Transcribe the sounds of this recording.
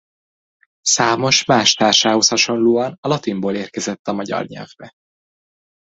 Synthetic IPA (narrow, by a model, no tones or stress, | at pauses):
saːmo̞ʃmaːʃt̪aːrʃaːho̞shɒʃo̞nloːɒnɒlɒt̪imboːleːrkɛzɛt̪ːɒmɒɟɒ̰rɲɛ̰lvbɛ